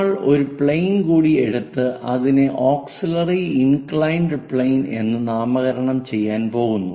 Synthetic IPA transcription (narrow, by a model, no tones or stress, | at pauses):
ɭo̞ɾupɭejnkuːɽie̞ɽut̪ːɨʔɐðineʔoːksilɐriinkɭɐjɳɖɨpɭejne̞̰nːɨnaːmɐɣɐɾɐɳɐmt͡ɕe̞jːaːnpo̞ːɣunːu